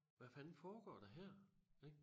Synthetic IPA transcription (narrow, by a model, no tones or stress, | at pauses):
ʋæfænfɒːɡ̥ɒ̰ːd̥ɑɦæɐ̰eɡ̥